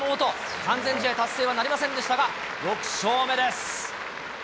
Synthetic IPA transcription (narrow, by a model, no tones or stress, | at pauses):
moːt̪o̞ | kãnd͡zẽ̞ɲ̟d͡ʑit̪ait̪asːeːβanaɾʲimasẽnd̪e̞ɕi̥t̪aɡa | ɾo̞kɯ̟̥ɕo̞ːme̞d̪e̞s